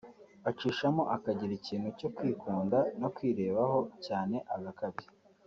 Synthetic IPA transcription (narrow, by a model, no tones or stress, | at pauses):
at͡ʃiːʃamo̞ʔakaɟiɾiciːnhuco̞kwiːkuːndano̞kwiːɾe̞ːβaɦo̞caːne̞ʔaɡakaβi